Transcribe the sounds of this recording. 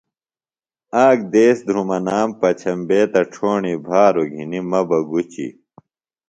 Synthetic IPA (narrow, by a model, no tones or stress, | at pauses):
aːk̚d̪eːsd̪ʱɾumɐnaːmpɐt͡ɕʰɐmbeːt̪ɐʈ͡ʂʰoːɳibʱaːɾoɡʱinimɐbɐɡut͡ɕḭ